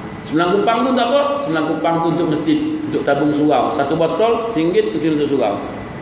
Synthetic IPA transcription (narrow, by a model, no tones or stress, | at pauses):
səməlaŋkupaŋt̪unt̪akɔʔsəməlaŋkupaŋt̪uunt̪ʊʔ̚məsd͡ʒit̪̚unt̪ʊʔ̚t̪abʊŋsuɣawsat̪ubot̪ɔlsiŋɡɪt̪̚n̩əs̬ins̬əs̬uɣa̰w